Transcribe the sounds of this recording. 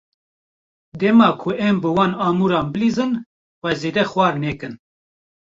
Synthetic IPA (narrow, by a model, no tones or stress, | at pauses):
d̪ɛmɑːkʰʊʔɛmbɨwɑːnɑːmuːɾɑːmbɨliːzɨn | wɛzeːd̪ɛxwɑːɾnɛːkɨn